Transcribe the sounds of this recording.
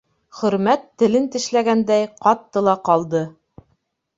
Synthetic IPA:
χɵ̆ɾmæt̪ːɘ̆lɘnt̪ɘ̆ʃlæɡænd̪æjqɑt̪ːɤlˠɑqɑlˠd̪ɤ

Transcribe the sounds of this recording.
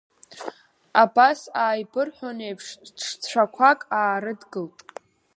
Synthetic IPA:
abasaːjbɨrħʷᶣonejpʰʂʂt͡ɕʷʰakʷʰakʼaːɾɨdɡɨltʼ

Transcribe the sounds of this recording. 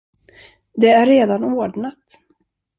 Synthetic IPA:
d̪ɛæɾːeːd̪anoːɖɳat̪

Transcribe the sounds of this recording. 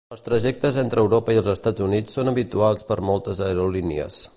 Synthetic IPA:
əlˠst̪ɾəʒɛk̚t̪əzent̪ɾəːwɾopəiəlˠzəst̪ad͡zunit͡sːonəβit̪ualˠspəɾmɔlˠt̪əzəəɾulinḭə̰s

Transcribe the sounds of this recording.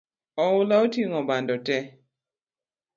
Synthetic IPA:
ɔʊlaotiŋɔbandɔtɛ

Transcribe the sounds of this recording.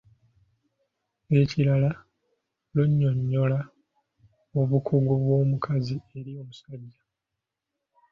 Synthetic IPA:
e̞ciɾala | luɲːoɲːo̞la | oβukʰuɡoβwo̞ːmukʰazie̞ɾio̞ːmusaɟːa

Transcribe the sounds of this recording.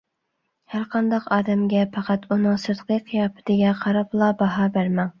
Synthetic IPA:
hæɾqʰɑnd̪ɑqɑːd̪ɛmɡʲɛpʰɑqʰæt̪unɨŋsɨɾqɨqʰːijɑːpʰɪ̥t̪ɪɡʲɛqʰɑɾɑplˠɑbɑɦɑbæɾmɛŋ

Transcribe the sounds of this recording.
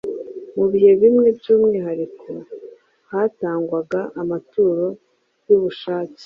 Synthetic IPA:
muβihe̞βimŋe̞bjuːmŋiːɦaɾikʰo̞ | haːtaːŋɡwaɡaʔːmatuːɾo̞ | juβuʃaːce̥

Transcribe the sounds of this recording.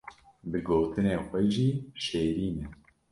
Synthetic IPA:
bɨɡoːt̪ɨneːxʷɛʒiːʃeːɾiːnɛ

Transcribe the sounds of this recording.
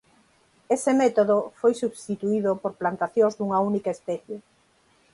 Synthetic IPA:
esɪmɛt̪oðofojsuβst̪it̪uiðopoɾplant̪aθjõŋzd̪uŋɐunikaespɛθje

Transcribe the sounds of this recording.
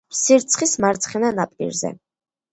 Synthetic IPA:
siɾt̪sʰχismaɾt̪sʰχɛnanapʼḭɾzɛ̰

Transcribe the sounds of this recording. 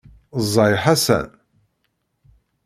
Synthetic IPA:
zˤːɑjħasæ̰n

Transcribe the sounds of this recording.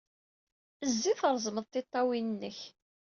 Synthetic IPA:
əzːiθəɾˤzˤməðˤt̪ːɪt̪ˤːɑwinənːəç

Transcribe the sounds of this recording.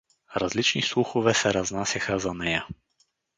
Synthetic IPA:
ɾazlit͡ʃnislˠuxovɛsɛɾaznasʲaxəzanɛja

